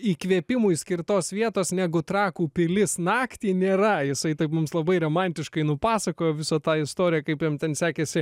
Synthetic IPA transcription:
iːkʋʲiɛpʲɪmuːisʲkʲɪrt̪oːsʋʲiɛt̪oːsnʲæːɡʊt̪ɾɑːkuːpʲɪlʲɪsnɑːkt̪ʲiːnʲeːɾɐjɪsɐɪt̪ɐɪpmʊmslˠɐbɐɪromɐnʲt̪ʲɪʃkɐɪnʊpɑːsɐkoːjoːʋʲɪsɐt̪ɑːɪst̪oːɾʲɪjɛkɐɪpjɛmt̪ʲɛnsʲæːkʲesʲɪ

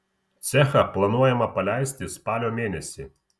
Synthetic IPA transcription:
t̪sʲɛxɐplˠɐnuɔjɛmɐpɐlʲæɪsʲt̪ʲɪspɑːlʲoːmʲeːnʲɛsʲɪ

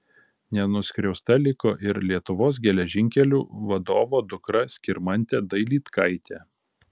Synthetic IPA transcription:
nʲɛnʊsʲkʲɾʲɛʊst̪ɐlʲɪkoːʔɪɾlʲiɛt̪ʊʋoːs̬ɡʲɛlʲɛʒʲɪŋʲkʲɛlʲuːʋɐd̪oːʋoːd̪ʊkɾɐsʲkʲɪɾmɐnʲt̪ʲɛd̪ɐɪlʲiːt̪kʰɐɪt̪ʲɛ

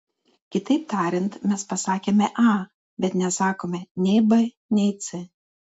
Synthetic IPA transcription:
kʲɪt̪ɐɪp̚t̪ɑːɾʲɪnt̪mʲɛspɐsɑːkʲeːmʲɛʔɑː | bʲɛt̪nʲɛsɑːkoːmʲɛnʲɛɪbɐ | nʲɛɪt̪sʲɪ

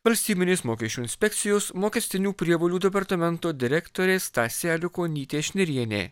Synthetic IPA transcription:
ʋɐlʲsʲt̪ʲiːbʲɪnʲeːsmoːkʲɛʃʲt͡ʃʲuːɪnʲsʲpʲɛkt̪sʲɪjoːsmoːkʲɛsʲt̪ʲɪnʲuːpʲɾʲiɛʋoːlʲuːd̪ʲɛp̬ɐɾt̪ɐmʲɛnt̪oːd̪ʲɪɾʲɛkt̪oːɾʲeːst̪ɑːsʲɛːlʲɪkoːnʲiːt̪ʲeːʃʲnʲɪɾʲiɛnʲḛː

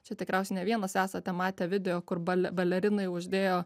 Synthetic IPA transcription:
t͡ʃʲɛt̪ʲɪkɾʲɛʊsʲɛɪnʲɛʋʲiɛnɐsæːsɐt̪ʲɛmɑːt̪ʲɛʋʲɪd̪ʲɛjoːkʊrbɐlʲɛbɐlʲɛɾʲɪnɐɪʊʒʲd̪ʲeːjoː

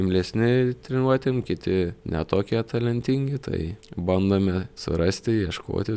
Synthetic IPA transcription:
ɪmʲlʲɛsʲnʲɪt̪ʲɾʲɛnuɔt̪ʲɪmkʲɪt̪ʲɪnʲɛ̰t̪oːkʲiɛt̪ɐlʲɛnʲt̪ʲiŋʲɡʲɪt̪ʰɐ̰ɪbɐnd̪oːmʲɛsʊ̰ɾɐsʲt̪ʲɪjiɛʃko̰ːt̪ʲɪ

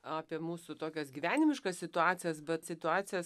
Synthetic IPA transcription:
ɑːpʲiɛmuːsʊt̪oːkʲɛsɡʲiːʋʲæːnʲɪmʲɪʃkɑssʲɪt̪ʊɑːt̪t͡ssʲɪjɛsbʲɛt̪sʲɪt̪ʊɑːt͡s̪ʲɪjɛs

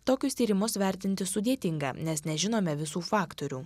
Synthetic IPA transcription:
t̪oːkʲʊst̪ʲiːɾʲɪmʊsʋʲɛˑɾʲt̪ʲɪnʲt̪ʲɪsʊd̪ʲiɛt̪ʲɪŋɡɐ̰ːnʲɛsnʲɛʒʲɪnoːmʲɛʋʲɪsuːfɑːkt̪oɾʲuː

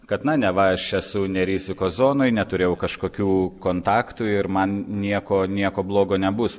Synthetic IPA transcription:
kɐt̪nɐnʲɛʋɐɐʃɛsʊnʲɛɾʲizʲɪkoːszoːnoːjnʲɛt̪ʊɾʲeːjɛʊkɐʃkoːkʲuːkoːnt̪ɑːkt̪uɪɾmɐnnʲiɛkoːnʲiɛkoːblˠoːɡoːnʲɛbʊs

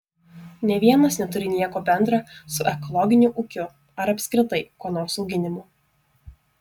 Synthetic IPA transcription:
nʲɛʋʲiɛnɐsnʲɛt̪ʊɾʲɪnʲiɛkoːbʲɛnd̪ɾɑsʊʔɛkɔlˠɔɡʲɪnʲuʔʊkʲʊ | ɐɾɐpʲsʲkɾʲɪt̪ɐɪkoːnoːɾsɒʊɡʲɪnʲɪmuː

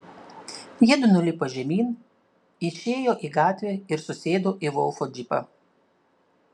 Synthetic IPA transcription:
jɛd̪ʊnʊlʲɪpɐʒʲɛmʲiːn | ɪʃʲeːjoːʔiːˑɡɑːt̪ʲʋʲeːɪɾsʊsʲeːd̪oːʔiʋɔlˠfoːd͡ʒʲɪpɐ̰

